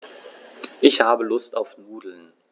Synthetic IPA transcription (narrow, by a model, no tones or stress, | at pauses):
ʔɪçhaːbəlʊstaʊfnuːdl̩n